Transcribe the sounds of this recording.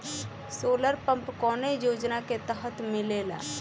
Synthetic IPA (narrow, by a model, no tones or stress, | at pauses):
soːləɾpə̃mpkɔːnejoːd͡ʒnaket̪əɦət̪mɪlela̰ː